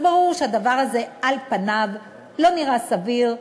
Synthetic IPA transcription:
baʁuʁʃead̪avaʁaze̞ʔalpanav | lo̞niʁasaviʁ

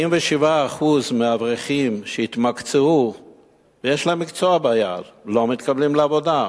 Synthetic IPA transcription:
imveʃivaːχuzmeavʁeχimʃeit̪makt͡seu | vejeʃlamːikt͡soabaja̰llo̞mit̪kablimleavo̞d̪a

